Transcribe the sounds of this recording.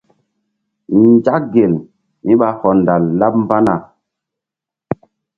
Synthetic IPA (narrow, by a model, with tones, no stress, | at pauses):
ɲd͡ʒa˦k̚ɡe˨l | mi˦ɓa˦hɔ˨nda˨lːa˦p̚mba˦na˨